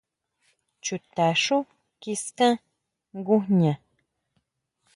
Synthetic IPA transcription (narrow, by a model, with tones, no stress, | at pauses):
t͡ʃu˨t̪a˨ʂu˦ | ki˧skã˦ | ŋɡu˦hɲã˨